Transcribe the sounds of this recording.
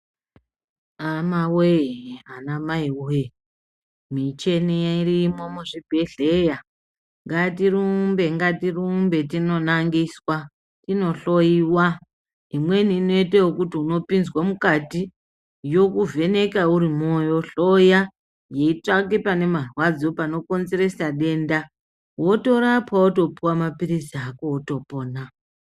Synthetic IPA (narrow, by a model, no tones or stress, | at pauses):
amaweanamaiue | mit͡ʃe̞nijairimo̞muʐib̥ʱeɮe̞ja | ŋɡatiɾumbe̞ŋɡatirumbe̞tino̞naŋɡiswa | tino̞ɬo̞jiwa | imwe̞niːno̞iteokutiuno̞pinzwamukati | jo̞kuvʱe̞ne̞kauɾimo̞jo̞ɬo̞ja | je̞it͡ʂak̬epane̞marwad͡zo̞pano̞ko̞nzeɾe̞saɗe̞ːnda | wo̞to̞ɾapwaoto̞puwamapiɾisiakooto̞po̞ːna